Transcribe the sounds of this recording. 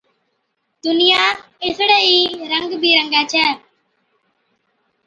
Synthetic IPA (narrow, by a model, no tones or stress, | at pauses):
d̪ʊnɪjaː | ɪsɽeːiːɾə̃ŋɡbʱiːɾəŋɡɛːt͡ʃʰɛː